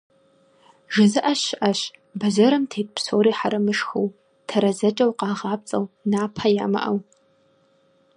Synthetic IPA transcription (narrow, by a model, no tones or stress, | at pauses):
ʒɨzɨʔaɕʔaɕbɐzɐɾɐmtʰeːt̚pʰsoːɾiːħaɾɐmɨʂxow | tʰɐɾɐzɐt͡ʃʼɐwqɑːʁɑːp̚t͡sʼɐwnaːpʰaja̰ːma̰ʔɐ̰w